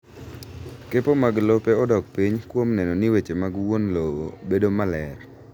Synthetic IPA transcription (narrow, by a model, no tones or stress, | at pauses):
kepomaɡlopeɔdɔk̚piɲkwomnɛnɔnɪwet͡ʃemaɡwonlowobedomalɛr